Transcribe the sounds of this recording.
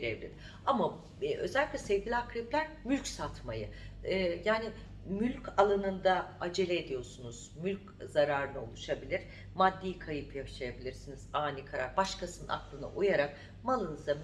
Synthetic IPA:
ɾevlʲḭd̪ | ama | ʔø̞̰zɛlʲːiclʲɛsɛvɟʲilʲakʰɾiplʲæɾmylʲcsat̪ʰmajɯ | jaːni | mylʲcʰalˠanɯnd̪aad͡ʒe̞lʲeːd̪ijo̞ɾsunuz̥mylʲc | zaɾaːɾɯnɯolˠuʃabilʲiɾ̥ | mad̪ːijkʰajɯpjaʃajabilʲiɾsiniz̥aːnikʰaɾa̰ɾbaʃkasɯnna̰klˠɯnɯ̰ʔujaɾak̚ | malˠɯnɯza

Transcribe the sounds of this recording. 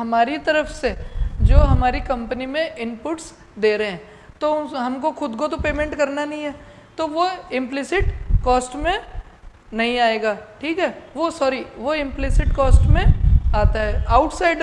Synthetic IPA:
ɦɐmaːɾit̪ɐɾəfsed͡ʒoːɦɐmaːɾikɐ̃mpənimẽʔɪ̃mpʊʈs | d̪eːɾɐɦɛ̃ː | t̪oɦɐmkoxʊd̪kot̪opeːmẽɳʈkɐɾnanɐɦĩɦɛː | t̪oʋoɪ̃mplɪsɪʈkɔːsʈmẽ | nɐɦĩaːeːɡaːʈʰiːkɦɛːʋosɔːɾiʋoɪ̃mplɪsɪʈkɔːsʈmẽaːt̪aɦɛːaːʊʈsaːɪɖ

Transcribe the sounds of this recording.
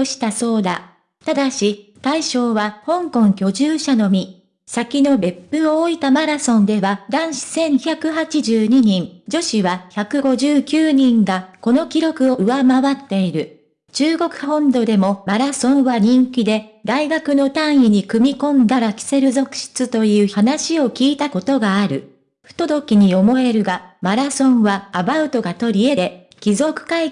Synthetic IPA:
oɕi̥t̪aso̞ːd̪a | t̪ad̪aɕit̪aiɕo̞ːβahõ̞ŋkõ̞ŋkʲo̞ʑɨːɕano̞mʲi | sakʲino̞be̞pːɯoːit̪amaɾasõ̞nd̪e̞βad̪ãɰ̃ɕi̥sẽ̞ɰ̃çakɯ̟ɦat͡ɕiʑɨːɲ̟iɲ̟ĩŋd͡ʑo̞ɕiβaçakɯ̟ɡo̞ʑɨːkʲɨːɲ̟ĩŋɡako̞no̞kʲiɾo̞kɯ̟o̞ʔɯ̟βamaβat̪ːe̞iɾɯ̟ | t͡ɕɨːɡo̞kɯ̟̥hõ̞nd̪o̞d̪e̞mo̞maɾasõ̞ɰ̃βaɲ̟ĩŋkʲid̪e̞d̪aiɡakɯ̟no̞t̪ãɰ̃iɲ̟ikɯ̟mʲikõ̞nd̪aɾakʲi̥se̞ɾɯ̟zo̞kɯ̟̥ɕi̥t͡sɨt̪o̞jɯ̟ːçhanaɕio̞kʲiːt̪ako̞t̪o̞ɡaːɾɯ̟ | ɸɯ̟̥t̪o̞d̪o̞kʲiɲ̟io̞mo̞e̞ɾɯ̟ɡamaɾasõ̞ɰ̃βaːbaɯ̟t̪o̞ɡat̪o̞ɾʲie̞d̪e̞ | kʲizo̞kɯ̟̥kai

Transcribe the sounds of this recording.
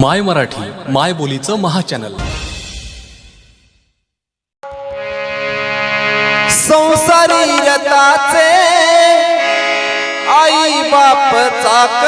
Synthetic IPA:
majməɾaʈʰiːmajbolit͡səməɦat͡ɕænə̰l | sə̃w̃saɾiːɾət̪at͡se | ai | bapət͡sak

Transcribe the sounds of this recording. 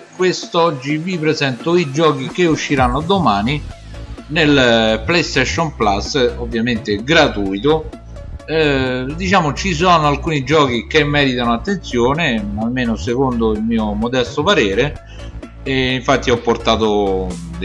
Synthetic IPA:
kwest̪ɔd͡ʒːivipɾezɛnt̪ʊid͡ʒɔːk̟ik̟euʃːiɾanːod̪omaːni | nelplɛjst̪ɛʃːɔnplasːovːjament̪eɡɾat̪uːjt̪o | d̪it͡ʃaːmot͡ʃis̬ɔːnoalkuːnid͡ʒɔːk̟ikemːɛːɾit̪anoat̪ːent̪sjoːnealmːeːnosekond̪oilmiːomod̪ɛst̪opaɾɛːɾe | iɱfat̪ːiɔpːort̪aːt̪od̪

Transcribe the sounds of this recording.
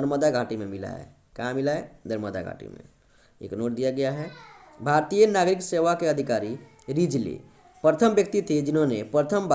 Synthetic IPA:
əɾməd̪aɡʱaːʈimẽmɪla̰ḛ | kãmɪlaed̪əɾməd̪a̰ɡʱa̰ːʈḭmḛ̃ | ḛːknoːʈ̚d̪ijaɡɐjaɦɛ | bʱaːɾt̪ijənaːɡɾɪkseʋakeəd̪ʱikaːɾi | ɾid͡ʒlḭ | pɾət̪ʰəmbjək̚t̪it̪ʰid͡ʒɪnɦõnepɾət̪ʰəmb

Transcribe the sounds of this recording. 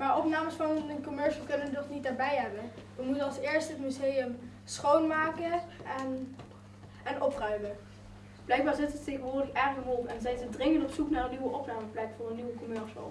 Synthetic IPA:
maːɹɔpnaːməsfɑnnəkɔmɛɹʃəlˠkɵnəʋədɔχnitdaːɹbɛjɦɛbənʋəmutənɑlˠsɪːɹstɦətmyzejəm | sχownmaːkəɛn | ɛnʔɔprœɥmə | b̥lɛjɡ̚baːɹzɪtətejχənʋʊːɹdəχɛrxəʋɔlˠpɛnzɛjzədrɪŋə̃ntɔpsuknaːrəniʋəʔɔpnaːməplɛkfʊːrənːiʋəkɔmɛɹʃə̰lˠ

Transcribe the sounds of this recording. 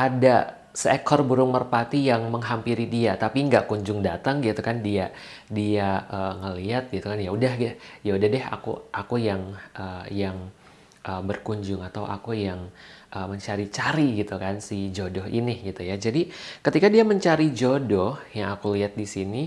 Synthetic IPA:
ʔada | səekʰɔrbuɾʊŋmərpat̪ijaŋməŋɦampiɾidiat̪apiŋɡaʔkuɲd͡ʒʊŋdat̪aŋɡit̪ukandiadiaʔəːŋəliat̪̚ɡit̪ukanjaudahɡajaudahdɛha̰kṵakujaŋʔəjaŋ | ʔəbərkuɲd͡ʒʊŋat̪awʔa̰kujaŋʔəməɲt͡ʃaɾit͡ʃaɾiɡit̪ukansid͡ʒodɔɦḭnɪhɡit̪ujad͡ʒadikət̪ikadiaməɲt͡ʃaɾid͡ʒodɔhjaŋakuliɦat̪̚disini

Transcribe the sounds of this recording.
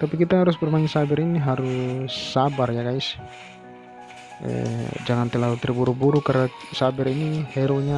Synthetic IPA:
t̪apikit̪aɦaɾʊsbərmaɪnsabɛɾiniɦaɾʊsːabarjaɡaɪs | ə̰d͡ʒaŋant̪əlaut̪ərbuɾubuɾukarna | sabɛɾinihɛɾoɲa

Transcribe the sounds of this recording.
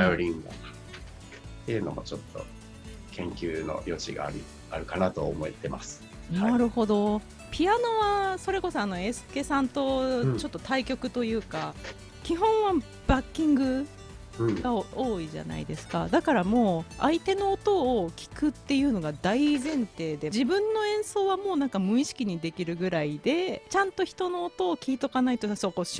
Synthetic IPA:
oɾʲĩŋa̰nḁ | t̪ːejɯ̟no̞̰mo̞̰t͡ɕo̞t̪ːo̞̰ | kʰẽ̞ŋkʲɨːno̞̰jo̞t͡ɕiɡa̰ɾi | aɾɯ̟kanat̪o̞ːmo̞it̪e̞masɨ̥ | naaɾɯ̟ho̞d̪o̞ | pʲijano̞βaso̞ɾe̞ko̞so̞ano̞e̞sɨ̥ke̞sãnt̪o̞t͡ɕo̞t̪ːot̪aikʲo̞kɯ̟t̪o̞jɯ̟ːka | kʲiɦõ̞ɰ̃βa | b̥akʲːĩŋɡɯ̟ | ɡao̞ːiʑa̰na̰ḭd̪e̞sɨ̥ka̰d̪akaɾamo̞ːait̪e̞no̞ːt̪o̞ːkʲi̥kɯ̟t̪ːe̞jɯ̟ːno̞ɡad̪aizẽ̞nt̪e̞ːd̪e̞d͡ʑibɯ̟̃nːo̞ẽ̞ɰ̃so̞ːβamo̞ːnãŋkamɯ̟̃ĩɕi̥kʲiɲ̟id̪e̞kʲiɾɯ̟ɡɯ̟ɾaid̪e̞t͡ɕãnt̪o̞çi̥t̪o̞no̞ːt̪o̞ːkʲiːt̪o̞kanait̪osokoɕ

